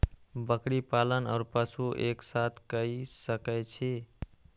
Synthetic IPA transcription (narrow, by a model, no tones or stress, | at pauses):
bəkɾipalənaːɾpəsuʔeksat̪ʰkəisəkɛt͡ʃʰi